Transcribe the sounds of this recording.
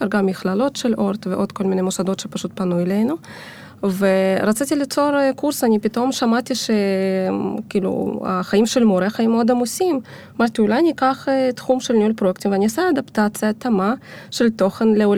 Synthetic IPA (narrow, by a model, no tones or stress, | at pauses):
eɾɡamːixlalo̞t̪ʃeloɾt̪veʔo̞d̪̥ko̞lminemosad̪o̞t̪ʃepaʃut̪̚panuelejnu | veɾat͡sit̪ilit͡so̞ɾkuɾsanʲipit̪o̞mʃamat̪ʲiʃe | kiːlṵa̰χajimʃelmoɾeχaimːeod̪amusim | amaɾt̪iulajnikaχet̪χumʃelnʲiulpɾoekt̪imveanʲiasaad̪apt̪at͡sɨjat̪amaʃelt̪o̞χenleul